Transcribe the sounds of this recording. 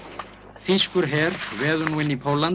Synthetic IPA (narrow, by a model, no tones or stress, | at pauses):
θiskʏɾ̥ɦɛːɾ̥vɛːðʏnuːɪnːipʰowlan